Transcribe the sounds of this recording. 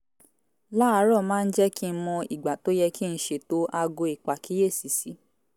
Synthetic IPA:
la˦a˨˧˦ɾɔ˦˨mãː˦˧n̩˦d͡ʒɛ˦ki˦˧˦mɔ̃˧ḭ˨ɡ͡ba˨to˦jɛ˧ki˦n̩˦ʃe˧˨to˦ʔa˧ɡo˧i˨k͡pa˨ki˨˦je˦˨si˨˦si˨˦

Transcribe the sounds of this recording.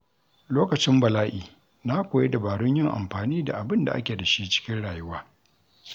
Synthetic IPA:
loː˦kɐ˨t͡ʃɪ˦mbɐ˨laː˦ʔiː˨ | na˦kʷoː˨je˦da˨baː˨ɽʊ˦ɲjɪ˦ŋʔa̰˨mɸaː˨niː˦da̰˨ʔa˨bɪ˦nda̰˨ʔa̰˦kʲeː˨dɐ˨ʃiː˦t͡ʃɪ̥˦kʲɪ˦nɽaː˨jʊ˦waː˦

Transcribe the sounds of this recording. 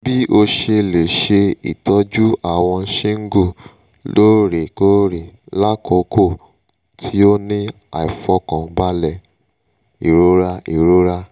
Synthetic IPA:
bi˦ʔo˧ʃe˧le˨ʃe˧ḭ˨tɔ˨˦d͡ʒu˦a˦˨w̃ɔ̃˧n̩˦ʃe˦ŋ̩˦ɡo˦˨ | lo˦ɾe˨ko˦ɾe˨ | la˦kʰɔ˨˦ko˦˨ | tʰi˨˦o˦nĩ˦ | a˨i˨fɔ˧˦kã˨˦ba˦lɛ˦˨ | i˨ɾo˦ɾa˦i˨ɾo˦ɾa˦

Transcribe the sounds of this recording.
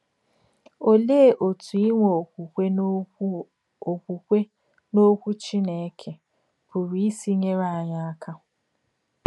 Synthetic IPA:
o˦le˦˨ʔo˨tʰu˨i˦ŋʷo˨kʷu˨kʷe˦ | o˨kʷu˨kʷe˦ | no˦kʷu˦t͡ʃi˦ne˨˦kʰe˨ | bʊ˨ɾi˦i˦si˦ɲe˦ɾa˦a˨ɲa˦a˦ka˦

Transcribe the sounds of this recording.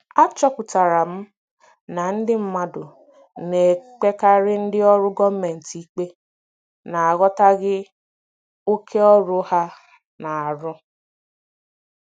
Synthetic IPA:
a˦t͡ʃɔ˦kʊ˨ta˨ɾa˨m̩˦ | na˨n̩˦dɪ˦m̩˦ma˦dʊ˨ | ne˨k͡pe˦ka˦ɾɪ˦n̩˦dɪ˦ɔ˦ɾʊ˦ɡɔ˦me˨n̩˨ti˦k͡pe˦ | na˨a˨ɣɔ˦ta˦ɡɪ˦ | o˦kʰe˦ɔ˦ɾʊ˦ha˦ | na˨a˨ɾʊ˦

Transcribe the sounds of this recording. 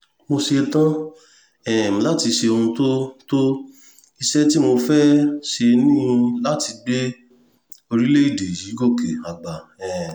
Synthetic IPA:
mo˧ʃe˧tã˦ | ɛ˨m̩̃˨la˨˦ti˧ʃe˧o˧ũ˧to˦to˦ | i˧ʃɛ˦ti˦mo˧fɛ˦ʃe˧nĩ˦ũ˧la˦ti˧ɡ͡be˦ | o˧ɾi˦le˦i˦˨de˨ji˨˦ɡo˦˨ke˨a˨ɡ͡ba˨ɛ̃˨

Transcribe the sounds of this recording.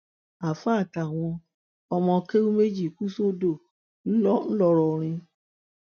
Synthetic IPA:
a˨fa˦˨ta˨w̃ɔ̃˧ | ɔ˧mɔ̃˧ke˦u˦me˦d͡ʒi˦˨ku˦so˦do˦˨ | n̩˦lɔ˦n̩˦lɔ˦ɾɔ˧ɾ̃ĩ˧

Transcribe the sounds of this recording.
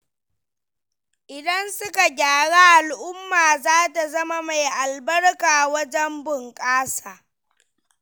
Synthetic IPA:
ʔɪ˨dɐ˦nsʊ˦ka˨ɡʲaː˨ɽaː˦ʔa˨lʔʊ˦mːaː˨zaː˦ta˨zɐ˦ma˨ma˨jʔa˨lbɐ˦rkaː˨wɐ˦d͡ʒɛ˦mbʊ˨ŋkʼaː˦saː˨

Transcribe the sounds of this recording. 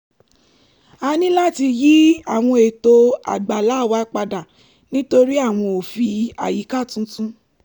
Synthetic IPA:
a˨˧nĩ˦la˦˨ti˧ji˦a˦˨w̃ɔ̃˧e˨to˧a̰˨ɡ͡ba˨la˨˦˨wa˧˦k͡pa˧da˨ | nĩ˦to˧ɾi˦a˦˨w̃ɔ̃˧o˨fi˧a̰˨ji˨˦ka˦˨tũ˧˦tũ˦

